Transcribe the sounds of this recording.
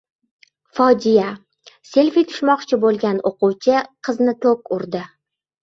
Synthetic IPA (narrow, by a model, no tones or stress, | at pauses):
fɒd͡ʒɪja | se̞lʲfijt̪ʰʊ̥ʃmɒqt͡ʃʰɪbolˠɡʲanoqʊwt͡ʃʰɪqʰɨznɪt̪ʰokʊɾd̪ɪ